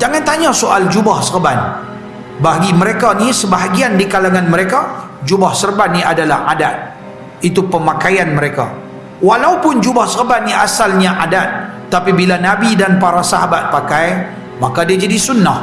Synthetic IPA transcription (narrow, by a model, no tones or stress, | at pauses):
d͡ʒaŋant̪aɲasoʔald͡ʒubahsərban | baɦaɡiməɾekanisəbaɦaɡiandikalaŋanməɾeka | d͡ʒubahsərbanːiadalahadat̪̚ | it̪upəmakajanməɾeka̰ | walaupʊnd͡ʒubahsərbanniʔasalɲaʔadat̪̚ː | apibilanabidanpaɾasaɦabat̪̚pakaj | makadiad͡ʒadisunːah